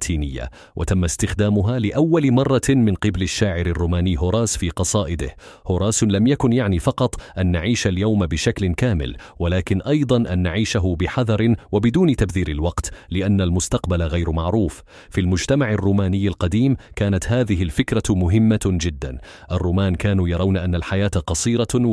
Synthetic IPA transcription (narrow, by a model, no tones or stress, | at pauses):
t̪ʰːiːnɪjːa̰ | wʔa̰t̪amːast̪ɪxd̪aːmʊɦaːlɪʔawːalmɑrˤːɑmɪnqɪbalaʃːaːʕɪɾarˤːuːmaːnɪːɦʊɾˤɑːsfiːqɑsˤɑːʔɪd̪ɪ̰h | hʊɾˤaːslamjakʊnjaʕniːfɑqɑt̪ˤʔanːaʕiːʃaljawmbɪʃaklɪkaːmɪ̰l | walaːkɪnʔɑjd̪ˤɑnʔanːaʕiːʃaɦʊbɪħɑðˤɑɾˤɪwabɪd̪uːnɪt̪abθiːɾɪlwɑqt̪lɪʔanːalmʊst̪ɑqbalaɣajɾmaʕɾuːf | filmʊd͡ʒt̪amaʕarːuːmaːnɪjːalqɑd̪iːmkaːnat̪haːðɪɦɪlfɪkɾamʊɦɪmːad͡ʒɪd̪ːa̰n | ʔarˤːuːmaːnkaːnuːjɑɾˤɑwnaʔanːalħajaːt̪aqɑsˤiːɾɑ